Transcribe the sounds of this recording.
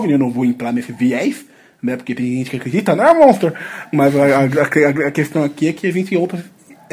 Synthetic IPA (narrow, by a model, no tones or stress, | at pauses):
vinewnɐ̃w̃voẽt̪ɾaɾmesɪviɛjf | nɛpʊɾket̪ẽj̃ʒẽnt͡ʃɪ̥kɪakɾed͡ʒit̪ɐnɐ̃mõst̪ɾɐɾmɐzaaɐkeɐɐkest̪ɐ̃w̃akiɛkɪɐʒẽnt͡ʃɪowt̪ɾɐs